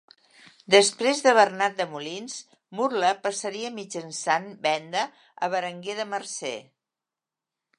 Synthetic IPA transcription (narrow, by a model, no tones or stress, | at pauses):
d̪əspɾezðəβ̞ərnat̪̚d̪əmulinz | muɾləpəsəɾiəmid͡ʒənsanbɛnd̪ə | ə̰β̞əɾəŋɡeðəmərsɛ̰